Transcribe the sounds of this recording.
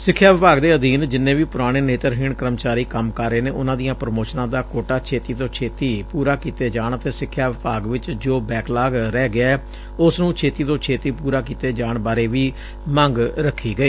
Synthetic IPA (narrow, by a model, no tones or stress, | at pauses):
sɪkʰːjaːʋɪpaːɡd̪eːəd̪iːnd͡ʒɪnːẽːʋiːpʊɾaːɽ̃eːneːt̪əɾɦiːɳkəɾəmt͡ʃaːɾiːkəmkəɾːeːneːʊnãːd̪ijãːpɾəmoːsnãːd̪aːkoːʈaːt͡ʃʰeːt̪iːt̪õːt͡ʃʰeːt̪iːpuːɾaːkiːt̪eːd͡ʒaːɳət̪eːsɪkʰːjaːʋɪpaːɡʋɪt͡ʃd͡ʒoːbɛːklaːɡɾɛːɡɪɛː | ʊsnũːt͡ʃʰeːt̪iːt̪õːt͡ʃʰeːt̪iːpuːɾaːk̬iːt̪eːd͡ʒaːɳbaːɾeːʋiː | mə̃ŋɡɾəkʰːiːɡəiː